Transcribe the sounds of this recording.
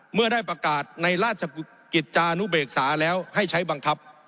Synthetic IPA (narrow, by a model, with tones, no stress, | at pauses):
mɯ˥˩ɐdaː˥˩jpɾa˧kaː˨˩t̪̚na˧jɾaː˥˩t̪̚t͡ɕʰa˧ | ki˨˩t̪̚t͡ɕaː˧ʔnu˦˥beː˨˩k̚saː˩˦lɛː˦˥wha˥˩jt͡ɕʰa˦˥jba˧ŋkʰa˦˥p̚